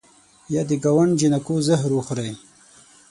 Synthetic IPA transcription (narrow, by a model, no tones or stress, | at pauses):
jad̪iɡawaɳd͡ʒinakozəɦɾuxɾaj